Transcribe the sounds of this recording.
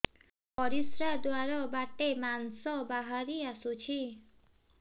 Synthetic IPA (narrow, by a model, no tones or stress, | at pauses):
ɔɾisɾad̪uaɾɔbaʈːemansɔbaɦaɾiasut͡ɕʰi